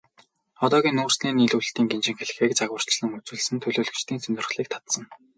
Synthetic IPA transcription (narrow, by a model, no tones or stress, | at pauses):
ɔt̪ɔːɣʲiːnuːrsniːniɮuɬt̪iːŋɡent͡ɕɪ̆ŋxeɮ̆xeːk̚t͡saɣwə̆r̥t͡ɕɮə̆ŋɵt͡suːɮsɘ̆nt̪ʰɵɮoːɮɵ̆t͡ɕt̪ʰiːnsɵnʲt̪ɵ̆rχɮiːk̚t̪ʰḁt̪sə̆ŋ